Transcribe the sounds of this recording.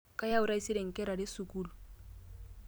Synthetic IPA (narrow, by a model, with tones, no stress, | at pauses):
ka˦ja˦u˦ɾa˦i˦si˦ɾɛ˨ŋ̩˨kɛ˦ɾa˨dɛ˦su˨ku˦lu˨